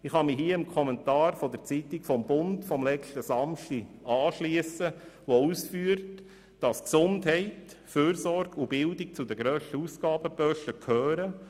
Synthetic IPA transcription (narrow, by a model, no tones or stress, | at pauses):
ɪχhɑmiɦiːəəmkʰχɔmɛntɑːɾfɔd̥əɾt͡sit̪ɪkfɔmbʊntfɔmlɛtəsɑmʃtiɑːʃliəsəʋouːsfyːɾt | d̥ɑsksʊndɦhɛɪt | føːɾsɔɾɡ̥ubɪldɪk̚t͡sudəɡɾœːʃtəusɡ̥ɑːbəpœʃəkʰhœːɾə